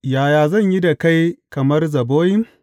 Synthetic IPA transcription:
jaː˨jaː˨zɐ˦˨ɲji˦da˨ka˦jkɐ˨mɐ˦rzɐ˨boː˦ji˦

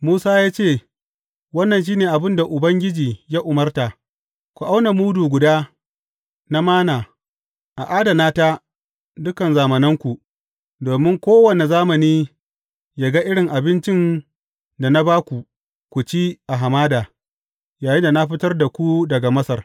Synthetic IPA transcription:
muː˦saː˦jaː˦t͡ʃeː˦˨ | wɐ˦nːɐ˨nʃ̬iː˦neː˨ʔa˨bɪ˦nda˨ʔʊ˨bɐ˦ŋɡʲɪ˦d͡ʒiː˨jaː˦ʔʊ˨mɐ˦rta˨ | kʷu˨ʔa˦wna˨muː˦duː˨ɡʷʊ˨daː˦ | na˦maː˦naː˨ | ʔa˨ʔaː˦da˨naː˦ta˦ | dʊ˦kɐ˨nzaː˨mɐ˨nɪ˦ŋkʷu˨ | doː˨mɪ˦ŋkʷoː˦wɐ˨ne˨zaː˦mɐ˨niː˦ | ja˦ɡa˦ʔɪ˦ɽɪ˨ŋʔa˨bɪ˦nt͡ʃɪ˦n | da˨na˦baː˦kʷu˨ | kʷu˨t͡ʃiː˦ʔa˨ɦa˨maː˦daː˨ | jaː˨jɪ˦nda˨na˦ɸɪ˦tɐ˦rda˨kʷu˦dɐ˨ɡa˨mɐ˦sɐ˨r

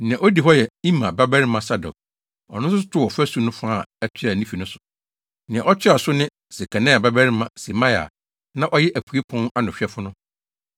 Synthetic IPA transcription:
nɪ̃˨ã˨ʔo˦di˨ɦɔ˦jɛ˨i˦mã˨ba˦bɛ˦ɾɪ˦mã˨sa˦dɔ̰˨k̚ | ɔ̰˨nʊ̃˦sʊ˦s̬ʊ˦tʰʊ˦wɔ˨fæ˦su˦nʊ̃˦fa˦˨ɛ˦t͡ɕʰᶣɪ˦a˨nĩ˦fi˨nʊ̃˦sʊ̥˨ | nɪ̃˨ã˨ʔɔ˦t͡ɕʰᶣɪ˦a˨sʊ˦nɪ̃˦ | se˨kʰã˨nɛ̃˦a˨ba˦bæ˦ɾɪ˦mã˨se˨mã˦ja̰˨ | nã˦ʔɔ˦jɛ˦ʔæ˨kʰu˨e˦pʰɔ̃˦na˦nʊ̃˨ɕᶣɛ˦fʊ˦nʊ̃˦

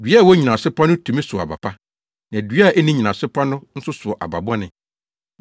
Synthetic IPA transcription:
dɥwɔ˦ɲĩ˨nã˨sɪ˦pʰa˦nʊ̃˦tʰũ˨mɪ̃˦sʊ˨ɔ˨a˨ba̰˨pʰa˦ | nã˨æ˨dɥa˦˨ʔɛ˦nɪ̃˦ɲĩ˨nã˨sɪ˦pʰa˦nʊ̃˦n̩˦sʊ˦sʊ˨ɔ˨ʔa̰˨ba̰˨ba˦nɪ̃˨

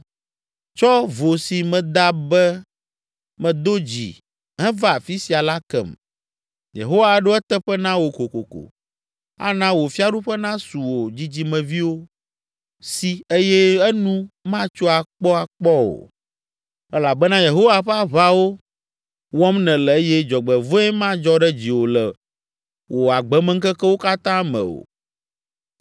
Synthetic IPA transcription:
t͡ʃɔ˦vo˨si˨mɛ̃˨d̪a˦bɛ˦ | mɛ̃˨d̪o˦d͡ʑḭ˨ | ɦɛ̃˦va˦˨fi˦si˨a˨la˦kɛ̰˨m | jḛ˨ɦo˦wa˨ɖo˦ɛ˦t̪ɛ˦ɸɛ˦nã˦wo˨ko˨ko˨ko̰˨ | a̰˨˦nã˦wo˨fi˦a˦ɖu˦ɸɛ˦nã˦su˨wo˨d͡ʑi˦d͡ʑi˦mɛ̃˨vi˦wo˦ | si˦e˦jɛ˦ɛ˦nũ˦mã˦t͡ʃo˦a˨k͡pɔ˦a˨k͡pɔ˦o̰˨ | ɛ˦la˨bɛ˦nã˦je˨ɦo˦wa˨ɸɛ˦a˦βa˦wo˦ | wɔ˦mnɛ̃˨lɛ˨e˦jɛ˦d͡ʒɔ˨ɡ͡bɛ˨vo˦ɛ˦mã˦d͡ʒɔ˦ɖɛ˦d͡ʑi˨wo˨lɛ˨ | wʔo˨a˨ɡ͡bɛ˨˦mɛ˦ŋ̩˦kɛ˦kɛ˦wo˦ka˦t̪ã˦mɛ̰̃˨o̰˨

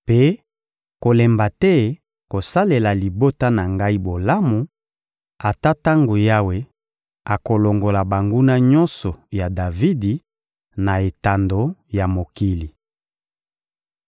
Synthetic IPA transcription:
pe˦ | ko˨lɛ˨mba˨tɛ˦ | ko˨sa˦le˨la˨li˨bo˦ta˦na˨ŋɡa˦i˦bo˨la˦mu˨ | a˨ta˦ta˦ŋɡo˨ja˦we˨ | a˨ko˨lo˨ŋɡo˨la˨ba˨ŋɡu˦na˦ɲɔ˦nsɔ˨ja˨da˨vi˦di˨ | na˨e˨ta˨ndo˨˦ja˨mo˨ki˦li˨

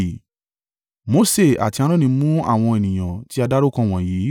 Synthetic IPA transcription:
mo˨˦se˦˨a̰˨ti˧a˧ɾ̃ɔ̃˦nĩ˧mũ˦a̰˦˨w̃ɔ̃˧e˨nĩ˨j̃ã˨ti˨˦a˧da˦ɾo˦kã˦˨w̃ɔ̃˨jiː˨˦

